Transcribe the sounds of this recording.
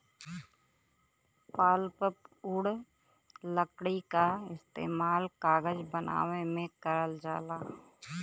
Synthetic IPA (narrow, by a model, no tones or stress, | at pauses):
paːlpəpʊɽ | ləkɽikaɪst̪ḛːmaːlkaːɡəd͡ʒbəna̰ːʋemẽkəɾəld͡ʒaːlaː